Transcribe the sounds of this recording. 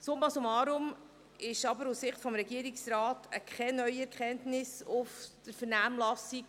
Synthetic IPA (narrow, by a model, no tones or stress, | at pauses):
sʊmbɑsomɑːɾʊm | ɪʃɑbəɾussɪχtfɔmɾɛɡiəɾiksɾɑːtəkʰχɛnœʏɥiɛɾkʰɛntnɪsʊfd̥əɾfəɾnæːmlɑsik